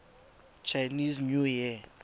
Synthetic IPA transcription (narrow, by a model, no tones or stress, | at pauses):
t͡ʃʰajniznjuji